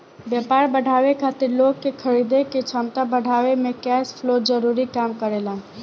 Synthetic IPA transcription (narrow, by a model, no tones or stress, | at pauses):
bjəpaːɾbəɽʱaːʋekʰaːt̪ɪɾloːɡ̚kekʰəɾid̪eket͡ʃʰəmt̪abəɽʱaːʋemẽkɛːspʰloːd͡ʒəɾuːɾikaːmkəɾeːlãː